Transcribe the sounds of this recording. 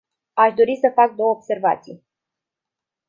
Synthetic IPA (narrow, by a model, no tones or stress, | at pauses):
aʃd̪o̞ɾisəfak̚d̪o̞wəobse̞rva̰t̪sij